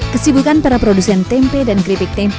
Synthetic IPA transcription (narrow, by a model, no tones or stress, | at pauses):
kəsibukanpaɾapɾodusɛnt̪ɛmpedankɾipik̚t̪ɛm